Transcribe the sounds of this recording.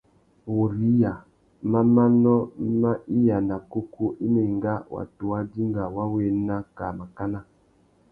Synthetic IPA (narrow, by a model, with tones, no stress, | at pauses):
wo˨ɾi˦ja˨ | ma˦ma˦nɔ˦ma˦i˦ja˨na˨ko˦ku˦ʔi˦me˨ŋɡa˦wa̰˨tu˨wa˦di˦ŋɡa˨wa˦we˨˦na˦ka˨ma˨ka˦na˦